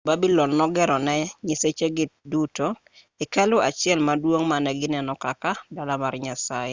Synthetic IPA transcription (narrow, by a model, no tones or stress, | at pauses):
babilɔnːɔɡɛɾɔnɛɲɪset͡ʃeɡɪtduto | ikalʊat͡ʃɪɛlmadwoŋmanɛɡɪnɛnɔkakadalamarɲasajɪ